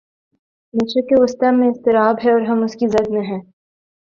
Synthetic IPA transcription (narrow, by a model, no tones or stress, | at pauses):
meːt͡ʃekeʊst̪amẽɪst̪ɪɾaːbɦɛɔːɾɦɐmʊskizɐd̪mẽɦɛ̃ː